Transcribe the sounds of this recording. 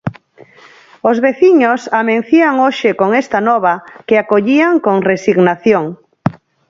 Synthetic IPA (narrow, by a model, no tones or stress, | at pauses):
ozβeθiɲosamẽn̟θiaŋoʃɪkoŋest̪anɔβakeakoʎiaŋkoŋresiɣnaθjoŋ